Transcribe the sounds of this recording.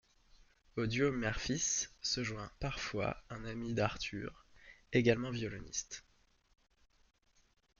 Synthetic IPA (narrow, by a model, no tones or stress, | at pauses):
od̪jomɛʁfisːəʒwɛ̃paʁfwa̰ɛ̃namid̪aʁt̪ʰy̰ʁeɡalmɑ̃vjɔlɔnḭst̪